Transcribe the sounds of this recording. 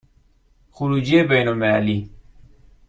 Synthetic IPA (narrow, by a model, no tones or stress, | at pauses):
xuɾuːd͡ʒiebejnolmelali